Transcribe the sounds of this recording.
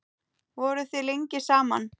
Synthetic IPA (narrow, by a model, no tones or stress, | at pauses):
vɔːɾʏθɪleɲcɪsaːman